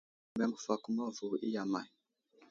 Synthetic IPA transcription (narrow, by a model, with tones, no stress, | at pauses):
bɛ˦mu˨fa˨ku˦ma˦vu˨ʔi˦ja˨ma̰˨i˨